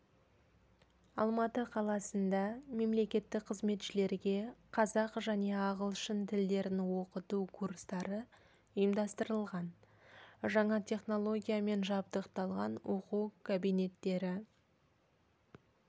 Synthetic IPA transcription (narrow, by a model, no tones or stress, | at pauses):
ɑlˠmɑt̪əqʰɑlˠɑsənd̪ɑme̞mle̞kʲe̞t̪ːɪk̚qʰəzme̞t̪ʃɪle̞ɾɡʲe̞qʰɑzɑqʒæne̞ɑʁəlˠʃɪnt̪ʰɪld̪e̞ɾɪnwo̞qət̪ukʰurst̪ɑɾə | ʊjəmd̪ɑst̪əɾəlˠʁɑn | ʒɑɴɑt̪ʲʰe̞χno̞lˠo̞ɡʲijame̞nʒɑb̚d̪əqt̪ɑlˠʁɑnwo̞quwkʰabijne̞t̪ːe̞ɾɪ